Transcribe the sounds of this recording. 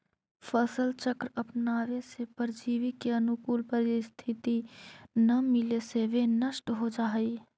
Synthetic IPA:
fʰəsəlt͡ʃəkɾəpnaːʋesepəɾd͡ʒiːʋɪkeɐnʊkuːlpəɾɪst̪ʰɪt̪inɐmɪleseʋenəʃʈɦod͡ʒaːiː

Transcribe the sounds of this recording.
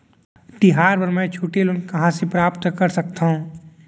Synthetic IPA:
t̪ɪɦaːɾpɐɾmɛ̃t͡ʃʰuːʈelʊnkɐɦãsepɾaːpt̪kɐɾsɐk̚t̪aɦũː

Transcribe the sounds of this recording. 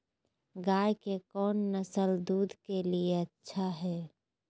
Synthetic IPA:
ɡaːjkekɔːnːəsəld̪uːd̪ʱkelieətːʃʰaɦɛː

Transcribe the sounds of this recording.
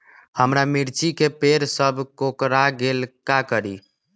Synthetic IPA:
həmɾamiɾt͡ʃikepeɾsəbʱkokɾaɡelkakəɾi

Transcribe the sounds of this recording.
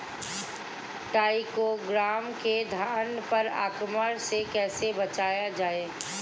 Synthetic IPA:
ʈaːɪkoɡɾaːmked̪ʱaːɳɖpɐɾa̰ːkməɾsekɛːsebɐt͡ʃaːjad͡ʒaːeː

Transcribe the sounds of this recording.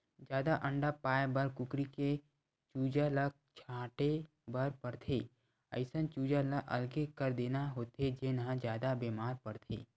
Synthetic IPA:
d͡ʒjaːd̪aʔə̃ɳɖapaːjbəɾkʊkɾike | t͡ʃuːd͡ʒalək̚t͡ʃʰãːʈe | bəɾpəɾt̪ʰeː | ə̰ɪsə̃nt͡ʃuːd͡ʒalaʔəlɡekəɾd̪eːnaɦoːt̪ed͡ʒenɦãd͡ʒjaːd̪abeːmaːɾpəɾt̪ʰḛː

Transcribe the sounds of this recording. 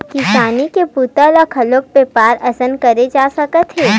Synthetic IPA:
kiʃaːnikepuːt̪əlɔkʰɐloːk̚pepaːɾɐsənkɐɾed͡ʒaːsɐkət̪ɦɛː

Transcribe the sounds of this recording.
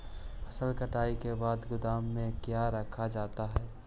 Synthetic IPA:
pʰəsəlkəʈaːikebaːd̪ɡʊd̪aːmːẽkjaɾəkʰad͡ʒaːt̪aɦɛː

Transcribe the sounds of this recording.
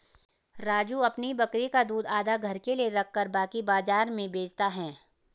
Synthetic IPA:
ɾaːd͡ʒuɐpnibɐkɾikad̪uːd̪aːd̪aɡʱɐɾkelieɾɐkʰːəɾbaːkibaːzaːɾmẽbeːd͡ʒt̪aɦɛː

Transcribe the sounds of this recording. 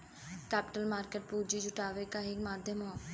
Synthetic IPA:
kɛːpɪʈəlmaːɾkeːʈ̚puːɾd͡ʒiːd͡ʒʊʈaːʋeːkaɦikmaːd̪ʱjəmɦoː

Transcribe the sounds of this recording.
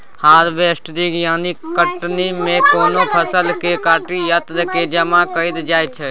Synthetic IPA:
haːɾbeːsʈd̪iɡjaːnikəʈnimẽkoːnopʰəsəlkekaːʈijət̪ɾked͡ʒəmakəid̪d͡ʒaːjt͡ʃʰɛ

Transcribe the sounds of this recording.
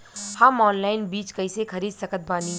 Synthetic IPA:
hɐmɔːnlaːɪnbiːt͡ʃkɐisekʰɐɾiːd̪sɐkʰət̪̚baːnĩ

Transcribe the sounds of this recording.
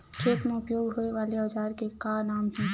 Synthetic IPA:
kʰeːk̪mẽʊpjoːɡɦoːeʋaːleɔːd͡ʒaːɾkekanaːmɦɛ̃ː

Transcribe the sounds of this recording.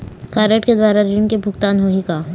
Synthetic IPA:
kaːɾeʈked̪waːɾaɾinkebʱʊkt̪aːnɦoːɦikaː

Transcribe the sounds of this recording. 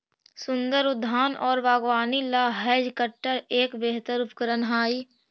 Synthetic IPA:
sʊnd̪əɾʊd̪ʱːaːnɔːɾbaːɡʋaːnilaːɦɛːd͡ʒkəʈːəɾeːkbeːɦt̪əɾʊpkəɾənɦaːi

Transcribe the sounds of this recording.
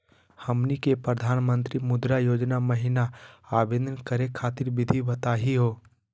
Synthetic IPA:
həmnikepɾəd̪ʱaːnmə̃nt̪ɾimʊd̪ɾajoːd͡ʒnaməɦɪnaaːbeːd̪ʱənkəɾekʰaːt̪ɪɾbɪd̪ʱibət̪aːɦiɦoː

